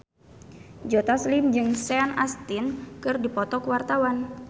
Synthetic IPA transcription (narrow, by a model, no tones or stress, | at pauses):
d͡ʒot̪aslɪmd͡ʒɨŋsɛanast̪ɪnkɨrdipɔt̪ɔkəwart̪awan